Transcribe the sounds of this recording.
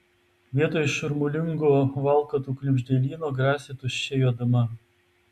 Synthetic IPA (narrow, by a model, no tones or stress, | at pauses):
ʋʲiɛt̪oːjʃʊɾmʊlʲɪŋɡoːʋɑˑlˠkɐt̪uːklʲʊbʲʒʲd̪ʲɛlʲiːnoːɡɾɑːsʲɪt̪ʊʃʲɛjoːd̪ɐmɐ